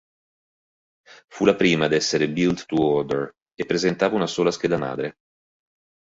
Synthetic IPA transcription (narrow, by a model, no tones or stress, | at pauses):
fulapɾiːmad̪ɛsːeɾebilt̪ːuɔd̪eɾ | epːɾezent̪aːvaunasoːlasked̪ama̰ːd̪ɾe